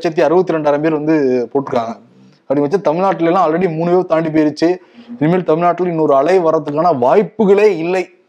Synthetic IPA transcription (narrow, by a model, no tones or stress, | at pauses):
ɐt͡ʃːɐt̪̬ːiɐɾɯbɐt̪ːɯɾɛɳɖaːɾɐmpeːɾʋɐnd̪ɯpoːʈːɯkːaːŋɡɐ | ɐpːɽɪŋɡɐʋɐt͡ʃːɐt̪ɐmɪɻnaːʈːɪlelːãːɐlɾɐɽimuːnɯʋoːt̪aːɳɖip̬ejɪɾɯt͡ʃːɯ | ɪnmeːlt̪ɐmɪɭnaːʈːɪlɪnːoɾɯɐɭɐɪʋɐɾɐt̪ːɯkːaːnɐʋaːjpːɯɣɐɭeːɪlːɐɪ